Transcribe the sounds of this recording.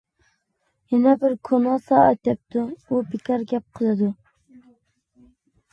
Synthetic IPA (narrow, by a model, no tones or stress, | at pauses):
jɛnɛbɪɾkʰonɑsɑɑt̪jɛp̚t̪ʰʊubɪkʲʰɑɾɡʲɛp̚qʰɨlˠɨd̪ʊ